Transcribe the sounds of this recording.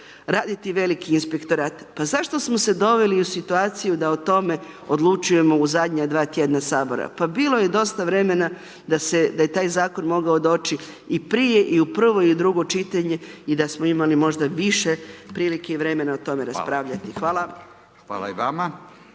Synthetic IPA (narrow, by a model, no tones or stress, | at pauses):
ɾaːd̪it̪iʋe̞likiːnspe̞kt̪o̞ɾaːt̪pazaʃt̪o̞smo̞se̞d̪o̞ʋe̞liusit̪uaːt̪sijud̪aot̪o̞me̞od̪lˠut͡ʃuje̞mo̞uzad̪ɲad̪ʋaːt̪je̞d̪nasaːbo̞ɾa̰pabiːlo̞je̞d̪o̞st̪aʋɾe̞me̞na | d̪ase̞d̪ajet̪aːjzaːko̞nmo̞ɡao̞d̪o̞ːt͡ʃi | ipɾije̞ʔiupr̩ʋo̞iud̪ɾuɡo̞t͡ʃit̪aɲe̞id̪asmo̞imalimo̞ʒd̪aʋiʃe̞pɾiːlike̞iʋɾe̞me̞naot̪o̞me̞ɾaspɾaːʋʎat̪ixʋaːlˠa | ʋa̰ːla̰iʋama